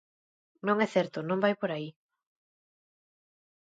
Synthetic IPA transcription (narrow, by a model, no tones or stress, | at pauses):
nõŋɛθɛɾt̪ʊnõŋbajpoɾai